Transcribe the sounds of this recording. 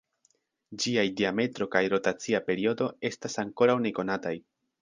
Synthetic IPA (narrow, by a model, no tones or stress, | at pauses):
d͡ʒiajdiame̞tɾo̞kajɾo̞tat͡siape̞ɾio̞do̞e̞stasaŋko̞ɾawne̞ko̞nataj